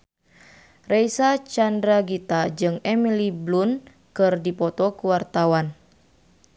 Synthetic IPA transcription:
rejsat͡ʃandɾaɡit̪ad͡ʒɨŋɛmiliblun | kɨrdipɔt̪ɔkuwart̪awan

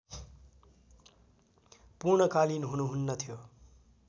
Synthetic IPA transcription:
puɾɳʌkalinɦunuɦunːʌt̪ʰijo

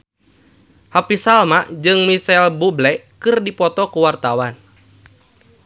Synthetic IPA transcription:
hapisalmaʔd͡ʒɨŋmisɛlbublɛkɨrdipɔt̪ɔkuwart̪awan

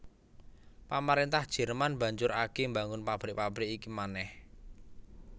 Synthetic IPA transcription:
pamaɾint̪ahd̥ʒ̥ɛ̤rmanbä̤ɲd͡ʒʊɾaɡ̥emba̤ŋʊnpab̥ɾɪʔpab̥ɾɪkikimanɛh

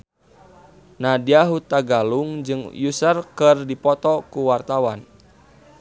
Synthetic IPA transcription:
nadiaɦut̪aɡaluŋd͡ʒɨŋjusərkɨrdipɔt̪ɔkuwart̪awan

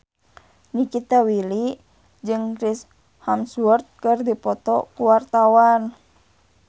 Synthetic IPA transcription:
nikit̪awili | d͡ʒɨŋkɾis | hamsurt̪̚kɨrdipɔt̪ɔkuwart̪awan

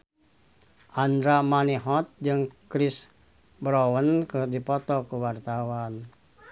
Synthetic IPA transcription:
ʔand̪ɾamaniɦɔt̪̚d͡ʒɨŋkɾɪs | bɾowənkərdipɔt̪ɔkəwart̪awan

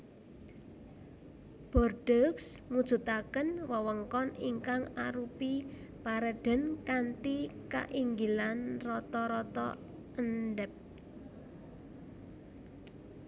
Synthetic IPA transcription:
b̥ɔ̤rɖ̥əksmud̥ʒ̥ṳt̪akənwəwəŋkɔniŋkaŋaɾupi | paɾəɖ̥ə̤nkant̪ika̰ʔiŋɡilanrɔt̪ɔɾɔt̪ɔ̰ | ənɖɛp̚

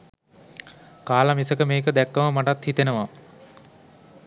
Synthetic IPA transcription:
kaːlamisəkəmeːkəd̪ɛkːəməmaʈat̪hit̪enəʋa

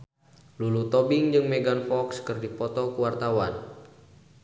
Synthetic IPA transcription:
lulut̪ɔbɪŋd͡ʒɨŋmeɡanfɔkskɨrdipɔt̪ɔkuwart̪awan

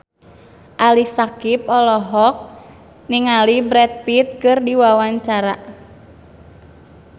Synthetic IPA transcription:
ʔalisakip̚ɔlɔɦɔk̚ | niŋalibɾɛt̪̚pit̪̚kɨrdiwawaɲt͡ʃaɾa

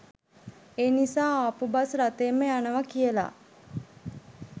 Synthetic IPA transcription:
eːnisaːapubasɾat̪eːmːəjanəʋakijəla̰

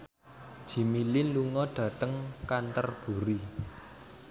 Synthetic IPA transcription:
d̥ʒ̥i̤milɪnluŋɔɖ̥ä̤t̪əŋkant̪ərb̥ṳɾi

